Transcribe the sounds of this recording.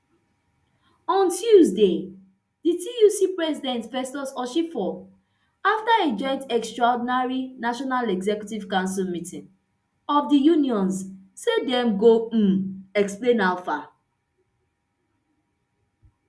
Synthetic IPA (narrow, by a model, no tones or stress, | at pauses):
ɔ̃ntʰjuzde | ditʰijusipɹɛsidɛ̃ntfɛstɔsɔʃifɔ | aftaed͡ʒɔ̃ɪ̃ntɛkstɹɔdinaɹinaʃɔnalɛɡzɛkjutiv̥kãʊ̃nsilmitĩn | ɔfdijuniɔ̃nssedɛ̃mɡoɛksplẽnaʊfa